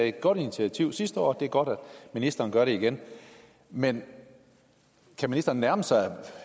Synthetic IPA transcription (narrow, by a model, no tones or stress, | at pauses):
e̝d̥̚ɡ̥ɒ̽ɾ̥init͡sʰiæt͡sʰiʊ̰sisd̥əɒ̰ːd̥e̝æɐɡ̥ɒ̽ɾ̥æd̥minisd̥ɐːnɡ̥ɶɐɾe̝iɡ̥en | men | kʰæminisd̥ɐːnːnæɐməsɑ̈ɪ